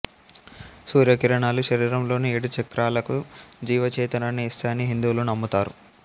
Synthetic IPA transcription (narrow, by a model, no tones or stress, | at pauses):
suːɾjɐkiɾɐɳaːluʃɐɾiːɾɐmlo̞ːnieɽut͡ʃɐkɾaːlɐkud͡ʒiːʋɐt͡ʃɛːt̪ɐnaːnːiːst̪aɐniɦind̪uːlunɐmːut̪aːɾu